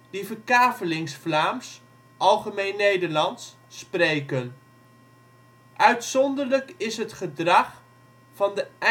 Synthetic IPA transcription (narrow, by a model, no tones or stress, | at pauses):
d̥ivərkaːfəlɪŋsflaːms | ʔɑlˠχəmejnːejdəɹlɑns | prejkən | ʔœɥtsɔndəɹləkɪsɦətχədrɑχ | fɑndə